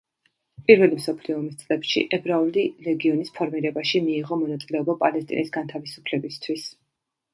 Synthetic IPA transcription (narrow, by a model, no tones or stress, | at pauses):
pʼiɾvɛlimsɔpʰliɔːmist̪sʼlɛpʃḭʔɛbɾaulilɛɡiɔnispʰɔɾmiɾɛbaʃimiːʁɔmɔnat̪sʼilɛɔbapʼalɛst̪ʼḭnisɡant̪ʰavisu̥pʰlɛbist̪ʰwis